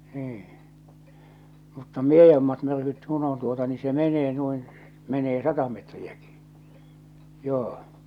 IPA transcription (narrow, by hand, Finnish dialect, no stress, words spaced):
niːĩ mutːɑ miejomːɑt myrkyt kun on tuotɑ ni se meneː nuin meneː sɑtɑ metriæki̥ joː